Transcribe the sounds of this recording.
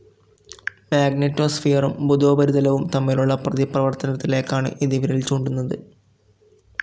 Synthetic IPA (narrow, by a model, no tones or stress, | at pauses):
maːɡnitːo̞ːsfijɐrumbud̪o̞ːbɐɾud̪ɐlɐʋumt̪ɐmːiluɭːɐprɐðiprɐʋɐrt̪ɐnɐt̪ːile̞ːkːaːɳɨ̰ʔiːd̪iʋiɾɐilt͡ɕoːɳɖunːɐðɨ